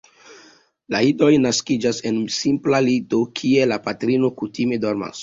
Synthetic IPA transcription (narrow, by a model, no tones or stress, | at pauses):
laido̞jnaskid͡ʒase̞nsimplalito̞kʰie̞lapatɾino̞kutime̞do̞ɾma̰s